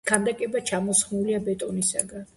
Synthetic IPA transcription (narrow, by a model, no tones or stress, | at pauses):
kʰand̪akʼɛbat͡ʃʰamɔsχmuliabɛt̪ʼɔnisaɡan